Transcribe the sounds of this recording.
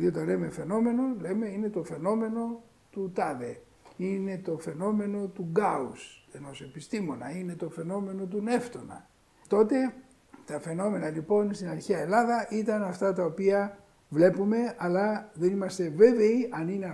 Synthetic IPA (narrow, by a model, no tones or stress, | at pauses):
ðiot̪ɐle̞me̞fe̞no̞me̞no̞le̞me̞inet̪o̞fe̞no̞me̞no̞ | t̪ut̪ɐðe̞ | ine̞t̪o̞fe̞no̞me̞no̞t̪uɡɐuse̞no̞se̞pist̪imo̞nɐine̞t̪o̞fe̞no̞me̞no̞t̪une̞ft̪o̞nɐ̰ | t̪o̞t̪e̞ | t̪ɐfe̞no̞me̞nɐlipo̞nst̪inɐɾçeɐelɐðɐʔit̪ɐnɐft̪ɐt̪ɐopiɐ | vle̞pume̞ɐlɐðe̞nimɐst̪e̞ve̞veiʔɐnine